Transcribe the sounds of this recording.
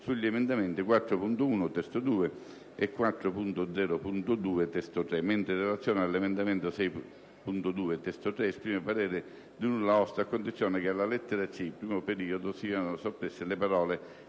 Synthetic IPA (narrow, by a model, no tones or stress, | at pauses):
suʎːemend̪ament̪ikwat̪ːɾʊpunt̪ouːnʊt̪ɛst̪od̪uːe | ekːwat̪ːɾʊpunt̪od̪zɛːɾʊpunt̪ʊd̪uːet̪ɛst̪ot̪ɾɛment̪ɾɪrːelat̪sːjɔːnealːemend̪ament̪osɛj | punt̪ʊd̪uːet̪ɛst̪ot̪ɾɛːspɾiːmepaɾɛːɾɪ | d̪unulːaɔst̪akːond̪it̪sːjoːnɪkɪalːalɛt̪ːeɾat͡ʃːipɾiːmopeɾiːod̪ʊsiːanʊsopːɾesːɪlepaɾɔːle